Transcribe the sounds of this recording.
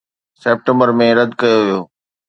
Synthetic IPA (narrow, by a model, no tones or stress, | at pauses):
seːp̚ʈẽmbəɾmẽɾɐd̪kɐjoʋijoː